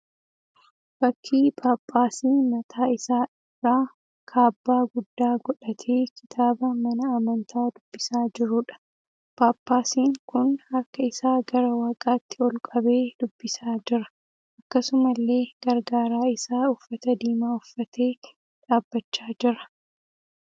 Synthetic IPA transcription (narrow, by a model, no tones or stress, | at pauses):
bɐkʰːiːpʰaːpʼːaːsiːmɐt̪ʰaːɪsaːʔɪrːaː | kʰaːbːaːɡʊd̪ːaːɡɔᶑɐt̪ʰeːkʰɪ̥t̪ʰaːbɐmɐnɐːmɐnt̪ʰaːd̪ʊbːɪsaːd͡ʒɪɾʊᶑɐ̥ | paːpʼːaːsiːŋkʊnɐɾkɐɪsaːɡɐɾɐwaːkʼaːt̪ːɪɔlkʼɐbe̞ːd̪̥ʊbːɪsaːd͡ʒɪɾɐ̥ | ʔɐkːɐsʊmɐlːe̞ːɡ̥ɐɾɡaːɾaːɪsaːʊfːɐt̪ɐd̪iːmaːʊfːɐt̪ʰe̞ː | ᶑaːbːɐt͡ʃːaːd͡ʒɪɾɐ